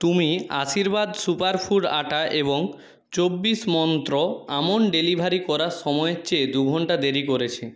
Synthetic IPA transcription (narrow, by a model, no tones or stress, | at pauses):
t̪umiaʃiɾbad̪supaɾpʰuɖaʈaʔeboŋ | t͡ɕobːismɔnt̪ɾoamonɖelibʱaɾikɔɾaɾʃɔmɔeet͡ɕed̪uɡʱɔɳʈad̪eɾikoɾet͡ɕʰe